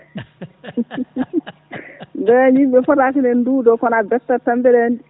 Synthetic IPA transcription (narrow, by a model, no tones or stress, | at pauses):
ndɛaɲimbɛfɔtakinɛnduːdɔkɔnabɛtːatambɛɾɛndi